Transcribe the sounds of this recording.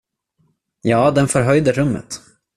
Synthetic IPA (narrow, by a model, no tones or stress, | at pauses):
jɑːd̪ɛnfœɾɦœjd̪əɾɵmːə̰t̪